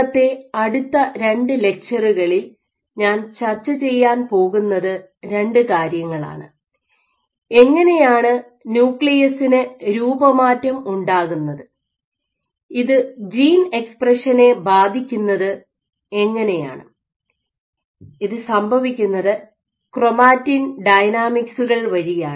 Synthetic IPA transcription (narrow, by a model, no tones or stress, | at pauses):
ɐt̪ːe̞ɐɽut̪ːɐɾe̞ɳɖɨle̞k̚t͡ɕɐruɣɐɭil | ɲaːnt͡ɕɐrt͡ɕːɐt͡ɕe̞jːaːnpo̞ːɣunːɐðɨ | ɾe̞ɳɖɨkaːɾjɐŋːɐɭa̰ːɳɨ | e̞ŋːɐne̞jaːɳɨ | njuːkɭijɐsinɨɾuːbɐmaːtːɐmuɳɖaːɣunːɐðɨ | iðɨd͡ʑiːne̞kspreʂɐne̞baːd̪ʱikʲːunːɐðɨ | e̞ŋːɐne̞ja̰ːɳɨ | iðɨsɐmbʱɐʋikʲːunːɐðɨ | kro̞maːtːinɖɐjnaːmiksuɣɐɭʋɐɻijaːɳ